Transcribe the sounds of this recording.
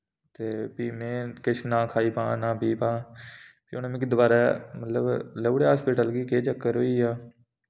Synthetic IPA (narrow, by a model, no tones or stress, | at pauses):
t̪eːpiːmẽːkɪt͡ʃʰnãːkʰaːiːpãːnãːbiːpãːpḭːoːnaːmẽːkɪd̪baːɾɛːmət̪ləbləuɽeːɦaːspiːʈəlɡiːkeːt͡ʃəkːəɾɦoːiːaː